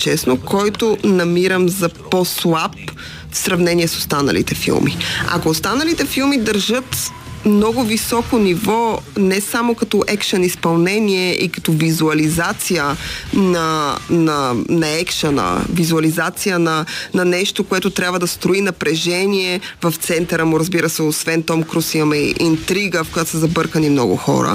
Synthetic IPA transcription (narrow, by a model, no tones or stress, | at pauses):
t͡ʃɛsnokʰɔjt̪onɐmiɾəmzɐposlˠap | fsɾɐvnɛniɛsost̪anɐ̰lḭt̪ɛfḭlˠmḭɐ̰koːst̪anəlit̪ɛfilˠmid̪ɐɾʒɤt̪ | mnɔɡʊvisɔkonivɔnɛsamokɐt̪ɔʔɛkʃɐnispɐlˠnɛniɛʔikɐ̥t̪ɔvizuɐlizat̪sijənɐnɐnɐɛkʃɐnɐ̰vizuɐlizat̪sijənɐnɐnɛʃt̪okoɛt̪ot̪ɾʲjabvɐd̪ɐst̪ɾoinɐpɾɛʒɛniɛvɐft̪sɛnt̪əɾəmuɾəzbiɾəsɛosvɛnt̪ɔmkɾusimɐmɛʔint̪ɾiɡəfkojat̪o̥səzɐbɤɾkənimnɔɡʊ̰xɔ̰ɾə̰